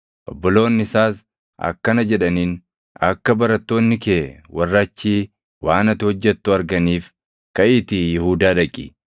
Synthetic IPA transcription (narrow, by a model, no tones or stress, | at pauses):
ʔɔ̰bːɔlo̞ːnːɪɪsaːs | ɐ̰kːɐnɐd͡ʒɛᶑɐniːn | ɐ̰kːɐbɐɾɐt̪ːo̞ːnːɪkeːwɐrːɐt͡ʃːiː | waːnɐt̪ːɪhɔd͡ʒːɛt̪ːʊɐɾɡɐniːf | kɐʔɪt̪ɪjɪhuːd̪aːᶑɐkʼːḭ